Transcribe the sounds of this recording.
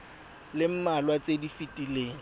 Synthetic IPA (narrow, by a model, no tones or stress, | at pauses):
lɪm̩malwat͡sʼedifitʼileːŋ̩